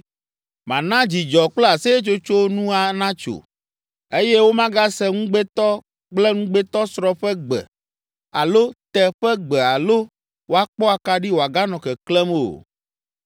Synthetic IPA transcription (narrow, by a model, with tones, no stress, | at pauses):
mã˨nã˦d͡ʑi˨d͡ʒɔ˨k͡plɛ˦a˨sɛ˦e˦t͡ʃo˦t͡ʃo˦nũ˦a˨˦nã˦t͡ʃo̰˨ | e˦jɛ˦wo˦mã˦ɡa˦sɛ˦ŋũ˦ɡ͡bɛ˦t̪ɔ˦ | k͡plɛ˦ŋũ˦ɡ͡bɛ˦t̪ɔ˦sɾɔ˦ɸɛ˦ɡ͡bɛ̰˨ | a˨lo˦t̪ɛ˦ɸɛ˦ɡ͡bɛ˨a˨lo˦ | wo˦a˦k͡pɔ˦a˨ka˦ɖi˦wo˨a˨ɡa˦nɔ̃˨kɛ˨klɛ˦mo̰˨